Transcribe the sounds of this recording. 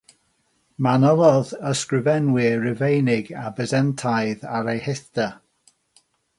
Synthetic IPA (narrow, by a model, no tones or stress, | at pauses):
manɔlˠɔðəskɹɪvɛnwɪrɪvejnɪɡabəzɛntʰajðaɾejhɪθta